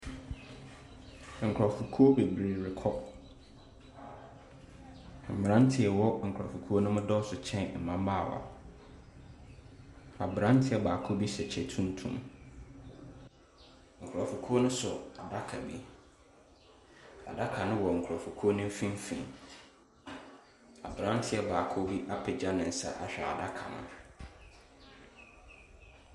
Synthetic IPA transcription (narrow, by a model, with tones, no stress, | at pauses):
ŋ̩˨kʰa˨fu˨kʰu˦o˦be˨bɾi˨ɾɪ˨kʰɔ˦˨ | mɪ˨ɾã˦n˦tʰɪ˨ɛ˨wɔ˦ŋ̩˨kʰʊ˨ɾa̰˨fu˨kʰu˦o˦nʊ̃˦mʊ̃˦dɔ˦sʊ˨t͡ɕʰɛ̃˦n˨m̩˨mã˦m˦baː˦˨wa̰˨ | a˨bɾã˦n˦tʰɪ˨˦ɛ˨baː˨kʰo˦bi˦sɛ˨t͡ɕʰɛ˨tʰũ˦n˦tʰṵ̃˦m | ŋ̩˨kʰʊ˨ɾa˨fu˨kʰu˦o˦nʊ̃˦sʊ˨a˨da˦kʰa˨bi˦ | a̰˨da˦kʰa˨nʊ̃˦wɔ˨ŋ̩˨kʰʊ˨ɾa˨fu˨kʰu˦o˦nʊ̃˦m˦fĩ˦m˦fḭ̃˨n | a̰˨bɾã˦n˦tʰɪ˦ɛ˦baː˨kʰo˦bi˦ʔa˦pʰɪ˨d͡ʑa˦nɪ̃˨n̩˨sa̰˦ʔa̰˨ɕᶣɛ˨a̰˨da˦kʰa̰˨nʊ̰̃˦˨